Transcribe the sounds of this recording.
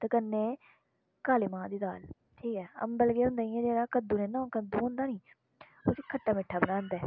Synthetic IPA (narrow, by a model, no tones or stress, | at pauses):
t̪ekənːeː | kaːleːmãːd̪iːd̪a̰ːl | ʈʰiːkɛːə̰mbəlɡeːɦʊ̃nd̪aːiɛ̃ːd͡ʒeːɾaːkəd̪uːnẽːnãːkəd̪uːɦʊ̃nd̪aːnĩː | oseːkʰəʈːaːmɪʈʰːaːbənãːnd̪ɛː